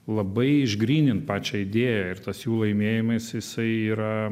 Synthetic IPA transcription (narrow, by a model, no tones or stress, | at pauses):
lˠɐbɐɪɪʒɡɾʲiːnʲɪnt̪pɑːt͡ʃʲɛɪd̪ʲeːjɛɪrt̪ɐsjuːlˠɐɪmʲeːjɪmɐsjɪsɐɪiːɾɐ